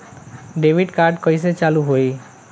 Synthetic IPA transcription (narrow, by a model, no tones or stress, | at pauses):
ɖebʱiɖkaɾɖkɔjset͡ɕaluɦoj